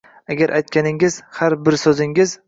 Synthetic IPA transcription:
aɡʲaɾʔajt̪̚kʲʰanɪŋɪzhaɾbɪɾsɵzɪŋɪz

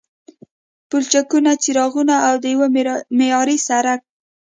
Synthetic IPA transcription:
pʊlt͡ʃakunat͡siɾɑɣunaːwd̪əjwəmejɑɾisaɾak̚

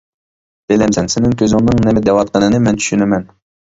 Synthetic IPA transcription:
d̪̥elɛmsɛnsɪnɪŋkʲʰøzɪŋnɨŋnɛmɪd̪ɛwɑt̪̚qʰənɨnɨmɛnt̪ʰy̥ʃynɛmɛn

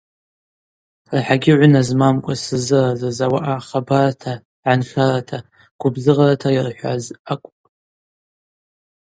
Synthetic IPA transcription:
rħaɡʲɪʕʷʊnazmamkʷʼasɨzɨrazazawaʔaχabaratʰa | ʕanχaratʰa | ɡ̥ʷʊbzɨʁaratʰajirħʷa̰zakʷʼpʼ

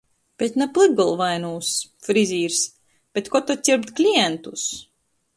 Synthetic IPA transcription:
b̥et̪ʲnaplˠɨɡulˠvajnuːsfɾizʲiːɾs | b̥ʲɛt̪kɔt̪ɔt̪ʲiɾpt̪klʲijɛnt̪us

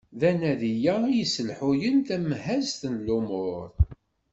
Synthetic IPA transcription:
ðænæðijæijəsəlħʊjənt̪æmhæzt̪ənlumʊɾˤ

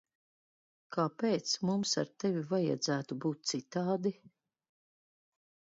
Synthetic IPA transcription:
kapeːt̪smumsa̰ɾt̪ɛvivaja̰d̪zæːt̪ubuːt̪̚t̪sit̪aːd̪i

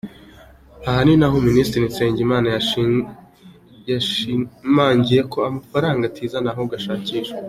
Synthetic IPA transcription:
ahaninaɦoministɾinise̞ːɲɟimaːnaja | jaʃimaːɲɟije̞kʰo̞amafaɾaːŋɡatʰiːzanaɦoɡaʃaːciːʃe

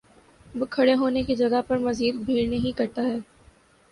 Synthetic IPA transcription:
ʋokʰɐɽeɦoːnekid͡ʒɐɡapɐɾmɐziːd̪bʱeːɾneɦĩkɐɾt̪aɦɛː

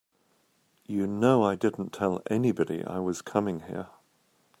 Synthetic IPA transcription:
jənoʊaɪdɪdⁿn̩tʰɛlˠɛnibɑɾḭʔa̰ɪwʌz̥kʰʌmɪ̃ŋhɪ̰ɹ

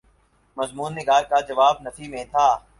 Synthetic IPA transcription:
mɐzmuːnːɪɡaːɾkad͡ʒɐʋaːb̚nɐt̪ʰimẽt̪ʰaː

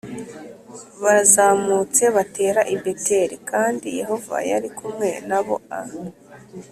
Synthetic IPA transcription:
βazaːmut͡se̞βate̞ːɾaʔibe̞te̞ɾikʰaːndije̞ɦo̞va̰ja̰ɾikumŋe̞naβo̞̰a

